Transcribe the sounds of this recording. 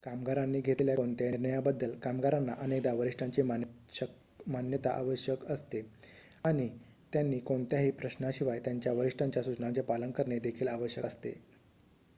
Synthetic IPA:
kamɡaɾanːiːɡʱet̪ljakoɳt̪jaɾɳəjabəd̪ːəlkamɡaɾanːaʔənek̚d̪aʋəɾiʂʈaɲt͡ɕema | manjət̪aʔa̰ʋəɕjəkəst̪e | aɽ̃i | t̪janːiːkoɳt̪jaɦiːpɾəɕnaɕiʋajt̪jaɲt͡ɕjaʋəɾiʂʈʰaɲt͡ɕjasut͡ɕnat͡ɕjapalənkəɾɳed̪ekʰiːlaʋəɕjəkəst̪ḛ

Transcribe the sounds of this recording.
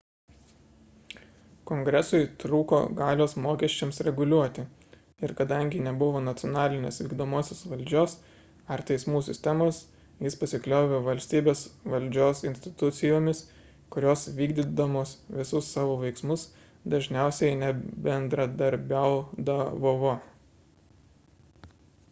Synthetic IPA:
koŋɡɾʲɛsʊɪt̪ɾuːko̰ːɡɑːlʲoːsmoːkʲɛʃʲt͡ʃʲɛmsɾʲɛɡʊlʲuɔt̪ʲɪ | ɪɾkɐd̪ɐŋʲɡʲɪnʲɛbʊʋoːnɐt̪sʲɪɔnɑːlʲɪnʲḛːsʋʲiːɡd̪oːmoːsʲoːsʋɐlʲˑd͡ʒʲoːs | ɐɾt̪ʲɛɪsmuːsʲɪ̰sʲt̪ʲɛmoːs | jɪspɐsʲɪklʲoːʋʲoʋɐlʲsʲt̪ʲiːbʲeːsʋɐlʲd͡ʒʲoːsɪnʲsʲt̪ʲɪ̥t̪ʊt̪sʲɪjoːmʲɪs | kʊɾʲoːsʋʲiːɡd̪ʲɪd̪ɐmoːsʋʲɪsʊsːɑːʋoːʋɐɪksmʊs | d̪ɐʒʲnʲɛˑʊsʲɛɪnʲɛbʲɛnd̪ɾɐd̪ɐɾʲbʲɛʊd̪ɐʋoʋoː

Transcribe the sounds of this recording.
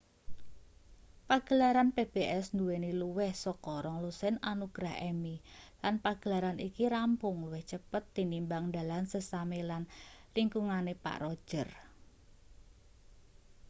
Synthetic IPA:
paɡ̥ə̤laɾanpeb̥eʔɛsnd̪uweniluwɛhsɔkɔɾɔŋlusɛnanuɡ̥ɾaɦʔɛmilanpaɡ̥ə̤laɾanikiɾampʊŋluwɪht͡ʃəpət̪ːinimbaŋda̤lansəsamelanliŋkuŋanepa̰ʔɾɔ̥ʒ̥ər

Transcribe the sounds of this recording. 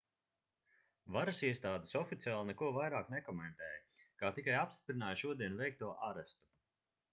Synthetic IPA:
vaɾasiɛst̪aːd̪esɔfit̪siaːlˠnɛkuɔvajɾaːknɛkɔmɛnt̪ɛːjɐkaːt̪ikajapst̪i̥pɾinaːjʃuɔd̪iɛnuvɛjk̚t̪uɔʔaɾɛst̪u̥

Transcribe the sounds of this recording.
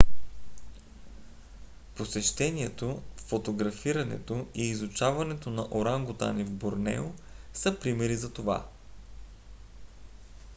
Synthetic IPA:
posɛʃt̪ɛnʲiɛt̪ofːot̪oɡɾɐfiɾɐnɛ̰t̪oiːzut͡ʃavɐnɛt̪onɐʔoɾaŋɡot̪a̰nivboɾnɛ̰osɐpɾimɛɾizɐt̪ova̰

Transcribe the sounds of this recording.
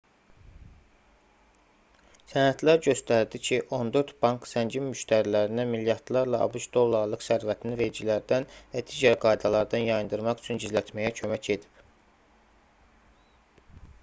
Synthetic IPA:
sænæt̪ʰlæɾɟø̞st̪æɾd̪icʰiʔo̞nd̪ø̞ɾt̪b̥ɑŋksæɲɟimːyʃt̪ʰæɾilæɾinæmiljɑɾd̪lˠɑɾlˠɑɑ̰buʃd̪o̞lˠːɑɾlˠɯqsæɾvæt̪ʰinive̞ɾd͡ʒilæɾd̪ænvæd̪iːɟæɾɡɑjd̪ɑlˠɑɾd̪ɑnjɑjɯnd̪ɯɾmɑχy̥t͡ʃʰynɟizlæt̪ʰmæjæcʰø̞mæcʰe̞d̪ip

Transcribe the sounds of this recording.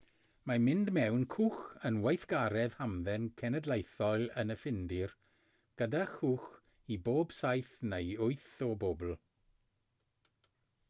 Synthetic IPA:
mamɪndmɛwnkʰuːxənwejθɡ̥aɾɛð̥hamðɛnkʰɛnədlˠejθɔlənəfɪndɪr | ɡ̥ədaxuːx | iboːb̥sajθnejʊɨθɔboːbl̩ˠ

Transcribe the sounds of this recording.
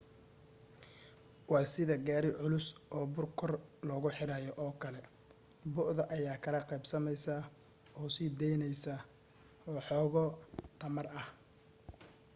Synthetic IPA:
wɑːsɪðɐɡaːɾɪʕʊlʊsʔɔːbʊrkʰɔrlɔːɣʊħɪɾaːjɔʔɔːkʰɐlɛ | bʊʔðɐʔɐjaːkʰɐlɐqɑjbsɐmɛjsa | ɔːsiːd̪ɛjnɛjsa | ɔːħɔːɣɔt̪ʰɐmɐrɐh

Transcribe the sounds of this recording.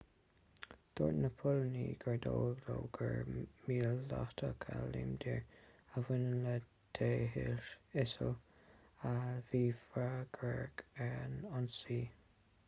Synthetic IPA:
d̪̥oːɹnəpʰʊlniɡ̥əɹd̪oːɡloːɡ̥əɹmiːlːaht̪ʰəkʰaliːmd̪iɹəvɪnənlə | t̪ʰeːɦɪʃɪsəl | aviːfaɡɹɛɹɡɛnɔnsiː

